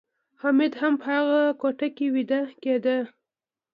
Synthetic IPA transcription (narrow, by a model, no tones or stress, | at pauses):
hamɪd̪hampəhaɣakoʈakewid̪aked̪a